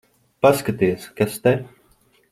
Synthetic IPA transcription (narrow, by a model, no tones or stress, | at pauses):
paskat̪iaskast̪ɛ